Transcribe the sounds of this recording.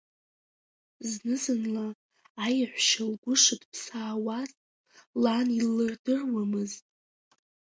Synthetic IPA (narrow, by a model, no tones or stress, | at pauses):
znɨzɨnlaː | jħʷʃalɡʷʊʂɨdpʰsaːwaz | lanilːɨrdɨrwamɨztʼ